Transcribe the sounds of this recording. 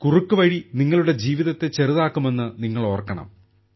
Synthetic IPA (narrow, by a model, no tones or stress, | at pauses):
kurukːɨʋɐɻiniŋːɐɭuɽe̞d͡ʑiːʋiðɐt̪ːe̞t͡ɕe̞riðaːkːume̞nːɨniŋːɐɭo̞ːrkːɐɳɐ̰m